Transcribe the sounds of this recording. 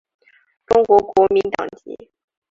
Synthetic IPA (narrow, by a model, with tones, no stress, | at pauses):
ʈ͡ʂʊ˥ŋkwɔ˧˥kwɔ˧˥mi˧˥nt̪ɑ̰˨˩ŋt͡ɕ̪ḭ˧˥